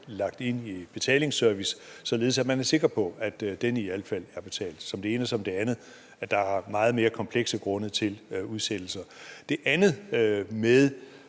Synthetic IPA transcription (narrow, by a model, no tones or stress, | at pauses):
lɑ̈ɡ̥̚d̥e̝n̰ib̥e̝t͡sʰɛ̰ːle̝ŋsøɐʋissɒ̽le̝ð̞̩ˠsæ̥mænæɐse̝ɡ̥ʁɐpʰɒ̽æd̥d̥eniæləfæl̰æɐb̥e̝t͡sʰɛ̰ːld̥sɒ̽md̥e̝e̝ːnəsɒ̽md̥e̝ænð̩ˠ | æd̥ɑ̈æɐmɑ̈ːð̞̩ˠme̝ːɐkʰɒ̽mpʰleɡ̥səɡ̥ʁɔ̽nət͡sʰe̝luð̞ˠsed̥l̩sɐd̥e̝ʔænð̩ˠmeðˠ